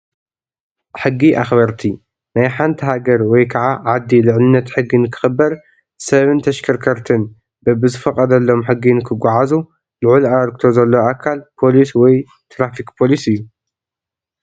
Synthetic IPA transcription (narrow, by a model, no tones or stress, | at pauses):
ħɨɡːiʔaxbɐɾt̪ʰi | najħant̪ʰiɦaɡɐɾwɔjkʰaʕaʕad̪ːilɨʕlɨnːɐt̪ħɨɡːinkʰɨ̥xɨbːɐɾ | sɐβɨnt̪ʰɐʃkʰɐɾkʰɐɾt̪ʰɨn | bɐbɨzɨfɐkʼɐd̪ɐlːo̞mħɨɡːinkʰɨɡʷaʕazu | lɨʕulaaɾk̚ʰt̪ʰo̞zɐlːɐwʔakʰalpʰo̞liswɔj | t̪ʰɾafikpʰo̞lisɨjːu